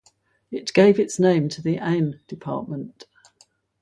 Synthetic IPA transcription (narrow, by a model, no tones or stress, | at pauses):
ɪʔɡ̥eɪvɪtsnẽɪ̃mtʰəðiʔɛ̃ɪ̃md̥ɪpʰɑ̰ˑʔmə̃nt